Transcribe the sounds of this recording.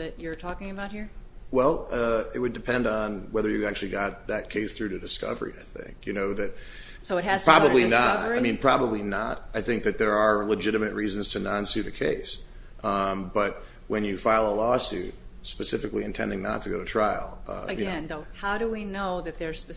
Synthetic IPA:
ðɨt͡ʃə˞tʰɔkɪ̃ŋɨbaʊt̚hiɹwɛlˠʌɪt̚wɨdɨpʰɛ̃ndn̩wɛðə˞jɨæk̚t͡ʃʉl̩ˠiɡɑt̪̚ðɨt̚kʰeɪsθɹʉɾɨdɨskʌ̰və̰˞ḭaɪθɪ̰̃ŋkjɨnoʊðɨt̚ | soʊɨt̚hɨzpɹ̥ɑbəblinətaɪmĩnpʰɹ̥ɑbəblinətaɪθɪ̃ŋk̚ðɨt̪̚ðə˞ːləd͡ʒɪɾɨmɨt̚ɹizɨ̃nz̥tʰɨnɑ̃nsʉɾɨkʰḛɪs | ʔʌ̃b̥ʌt̚ | wɨ̃njɨfaɪlˠəlɔsʉ̰t̚spɨsɪfɨkliɨ̃ntʰɛ̰̃ndɪ̃ŋnə̰tʰəɨɡoʊɾɨtʰɹ̥aɪl̩ˠʌ̰ɨjɨɛ̃nohaʊɾɨwinoʊðɨt̪̚ðə˞pɨ

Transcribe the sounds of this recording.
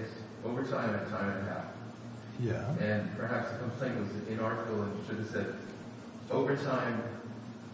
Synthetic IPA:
s | oʊvə˞tʰãɪ̃mɨ̃ttʰãɪ̃mɨɦæ̰f | jæɨ̃npʰə˞ɦæpsðɨkʰm̩pʰl̥ẽɪ̃nʔwʌzɨɪ̃nɑɹɾɨkl̩ˠə̃nʃɨd̚ɨ̥sɛd | oʊvə˞tʰãɪ̃m

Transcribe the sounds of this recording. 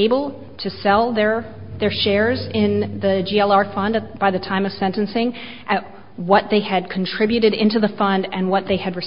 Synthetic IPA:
ɪbl̩ˠ | tʰɨsɛlˠðə˞ | ðə˞ʃɛɹzɪ̃nðɨd͡ʒiɛlˠɑɹfʌ̃ndɨb̥aɪðɨtʰãɪ̃mʌv̥sɛ̃ntnsɪ̃ŋ | ʔɨt̚ | wʌt̪̚ðeɪɨd̚kʰn̩tʰɹ̥ɪbjʉɾɨɾɪ̃ntʉðəfʌ̃ndɨ̃nwʌt̪̚ðeɪɨd̚ɹɨs

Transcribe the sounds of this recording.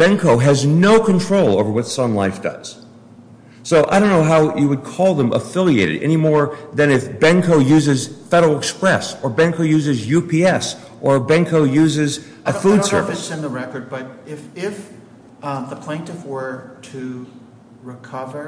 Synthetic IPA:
b̥ɛ̃ŋkʰoʊɨznoʊkʰɨ̃ntʰɹ̥oʊlˠo̰ʊvə˞wʌtsʌ̃mlaɪfd̥ʌ̰z̥ | soʊʔaɪɾõʊ̃nːoʊɦaʊjɨwɨd̚kʰɔlˠðə̃mʔə̰fɪlˠieɪɾɨ̰ɾɛ̰nimɔɹðɨ̃ñɨfb̥ɛ̃ŋkʰoʊjʉzɨz̥fɛɾl̩ˠəkspɹɛsə˞bɛ̃ŋkoʊjʉzɨzjʉpʰiɛs | ʔə˞bɛ̃ŋkʰoʊjʉzɪz | ʔɨfud̥sɜ̰˞vsɨ̃nðəɹɛkə˞d̚bʌɾɪfɪf | ðəpʰl̥ẽɪ̃ntɨfwə˞ɾɨ | ɹɨkʰʌvə˞

